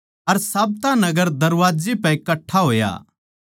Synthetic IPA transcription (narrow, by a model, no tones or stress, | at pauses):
ɐɾsaːb̚t̪anɐɡəɾd̪ɐɾʋaːd͡ʒipɛ̃ikɐʈʰːaɦoːja̰